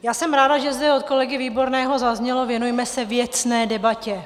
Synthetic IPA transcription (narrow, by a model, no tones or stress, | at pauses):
jaːsɛmɾaːdaʒɛzdɛo̞t̪̚ko̞lɛɡɪviːbo̞ɾnɛːɦo̞zazɲɛlo̞vjɛnujmɛsɛvjɛt͡snɛːdɛbacɛ